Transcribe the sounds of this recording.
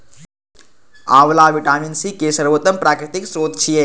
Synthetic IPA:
aːʋlaːʋiʈaːminsikesəɾʋot̪ːəmpɾaːkɾit̪iksɾoːd̪t͡ʃʰije

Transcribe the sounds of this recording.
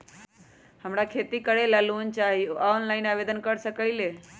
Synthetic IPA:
həmɾakʰeːt̪ikəɽelaluənt͡ʃaːɦijoʔaonlaːinaːʋeːd̪ənkəɾsəkəileː

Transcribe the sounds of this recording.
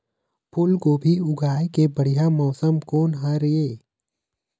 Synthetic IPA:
pʰʊlkobʱiʊɡʱaːekebəɽ̤ijamɔːsəmkoːnɦaɾeː

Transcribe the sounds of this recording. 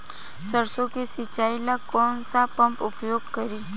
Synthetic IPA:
səɾsõkesɪt͡ʃaːilakɔːnsapə̃mpʊpjoːɡkəɾi

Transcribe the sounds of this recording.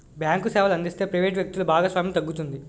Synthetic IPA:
bjaːŋkusɛːʋɐlɐnd̪ist̪e̞ːpɾɐjʋeːʈʋjɐk̚t̪ulubaːɡaːsʋaːmjɐmt̪ɐɡːut̪und̪i

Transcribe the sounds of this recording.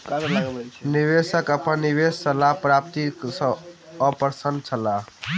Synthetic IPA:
niʋesəkəpənːiʋessəlapɾap̚t̪iksə̃ | əpəɾsənd̪̚t͡ʃʰəla

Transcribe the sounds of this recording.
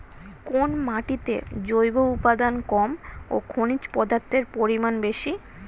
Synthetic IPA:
konmaʈit̪ḛd͡ʑojboupad̪ankɔmo̰kʰonit͡ɕpɔd̪aɾt̪ʰːeɾpoɾimanbeʃi

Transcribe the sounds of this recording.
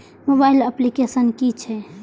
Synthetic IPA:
mobaɪləplikesənkit͡ʃʰɛ

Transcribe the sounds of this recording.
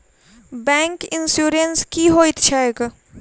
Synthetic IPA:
bɛ̃ːŋkɪnsjuːɾənskiɦoɪt̪t͡ʃʰaek

